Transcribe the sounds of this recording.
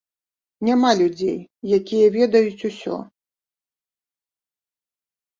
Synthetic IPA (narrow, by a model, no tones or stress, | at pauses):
nʲamalʲud͡zʲḛjjakʲijɐvʲɛd̪ɐjut͡sʲusʲɔ̰